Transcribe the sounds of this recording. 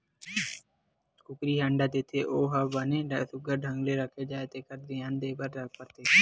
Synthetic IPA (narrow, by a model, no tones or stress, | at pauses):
kʊkɾiːɦə̃ɳɖaːd̪ɪt̪ʰeːʔoːɦəbəneːsʊɡəɾɖʱəŋɡleːɾəkʰːeːd͡ʒaːet̪eːkəɾd̪ɪãnd̪eːbəɾːək̚pəɾt̪eː